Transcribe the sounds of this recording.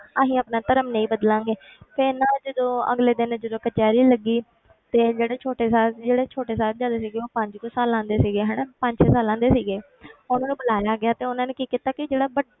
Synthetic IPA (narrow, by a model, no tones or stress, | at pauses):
aɦĩːəːpnaːt̪əɾəmneĩːbəd̪lãːŋɡeːpʰeːnãːd͡ʒəd̪õːə̰ɡleːd̪ɪnd͡ʒəd̪õːkət͡ʃaːɾiːləɡiː | t̪eːd͡ʒeːɽeːt͡ʃʰoːʈeːsaːld͡ʒeːɽeːt͡ʃʰoːʈeːsaːld͡ʒãːd̪eːsiːɡeːoːpəɲd͡ʒkoːsaːlãːnd̪eːsiːɡeːɦɛːnaːpə̃ɲd͡ʒsẽːsaːlãːnd̪eːsiːɡeː | ʊnãːnũːbəlaːjaːɡɪaːt̪eːʊnãːneːkiːkit̪aːkɪd͡ʒeːɽaːbə